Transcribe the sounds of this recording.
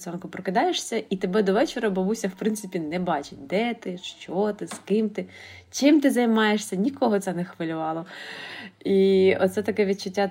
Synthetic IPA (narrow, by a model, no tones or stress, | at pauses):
sɔnkʊpɾɔkɪd̪ɑjeʂsʲɐʔit̪ebɛd̪ɔʋɛt͡ʃeɾɐbɔʋusʲɐwpɾɪnt̪sɪpʲinɛbɑt͡ʃɪt̚ʲd̪ɛt̪ɪʃt͡ʃɔt̪ɪskɪmt̪ɪ | t͡ʃɪmt̪ɪzɐjmɑjeʃsʲɐnʲikɔɦɔt̪sɛnɛxʋɪlʲʊʋɑlˠɔ | iɔ̰t̪sɛt̪ɐkɛʋʲit͡ʃʊtʲːa